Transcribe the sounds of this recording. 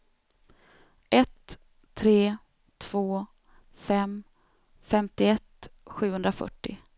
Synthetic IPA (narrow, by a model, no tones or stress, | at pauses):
ʔɛt̪ʰː | ɾeː | t̪ʰvoː | fɛm | fɛmt̪ɪɛt̪ɧʉ̟ːhɵnd̪ɾafœ̰ʈːɪ̰